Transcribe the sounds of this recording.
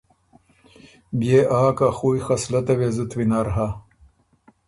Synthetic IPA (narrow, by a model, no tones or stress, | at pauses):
bjeʔaːkaxujxɐslɐt̪ɐwezut̪winaːɾɦa